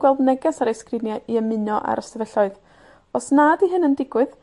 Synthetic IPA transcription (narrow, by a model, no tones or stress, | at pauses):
ɡ̥wɛlˠdnɛɡɛsaɾejskrɪnjaʔiəmɨnɔʔa̰ɾəstɛvɛɬɔɨð | ɔsnaːdiɦɨnəndɪɡwɨð